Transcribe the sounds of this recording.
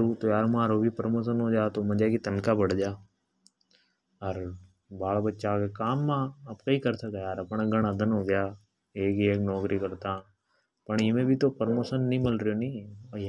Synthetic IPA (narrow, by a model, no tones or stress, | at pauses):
ɾut̪ojaːɾmãːɾobʱipəɾmoːʃənɦod͡ʒaːt̪omɐ̃d͡ʒakit̪ənkabəɽ̤d͡ʒaː | ɔɾ | baːɭbətːʃakekaːmːãɐpkaikɐɾsakajaːɾɐpɳ̃aɡɐɽ̃əd̪ənɦoɡəjaː | eːkeːknɔːkɾikɐɾt̪ã | pəɳmẽbʱit̪opəɾmoːʃənːəĩmɪlɾəjonɐĩ